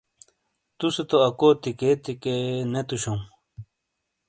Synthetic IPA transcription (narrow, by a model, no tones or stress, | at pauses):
t̪uset̪oɐkot̪iket̪ikenet̪uɕoŋ